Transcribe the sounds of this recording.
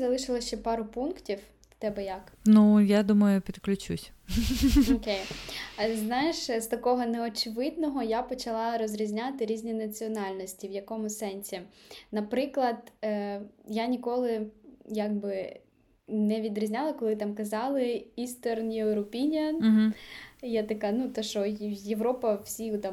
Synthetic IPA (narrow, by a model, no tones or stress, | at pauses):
zɐlˠɪʃɪlˠɐʃt͡ʃɛpɑɾʊpunktʲiw | t̪ɛbɛjɐknujad̪umɐjʊpʲid̪klʲʊt͡ʃṵsʲ | ɔkʲej | znajɪʃst̪ɐkɔɦɔneɔt͡ʃɪʋɪd̪nɔɦɔjapɔt͡ʃɐlˠɑɾɔzʲɾʲizʲnʲat̪ɪɾʲizʲnʲinɐt͡sʲiɔnɑlʲnɔsʲtʲiʋjɐkɔmʊsɛnʲsʲinɐpɾɪklˠɐd̪ | janʲikɔlˠɪjaɡ̚bɪ | nɛʋʲid̪ɾʲizʲnʲalˠɐkɔlˠɪt̪ɑmkɐzɑlˠɪist̪ɛrnjeɾɔpʲinʲɐɦ̩jat̪ɐkanut̪ɔʃɔjeʋɾɔpɐwsʲiʊt̪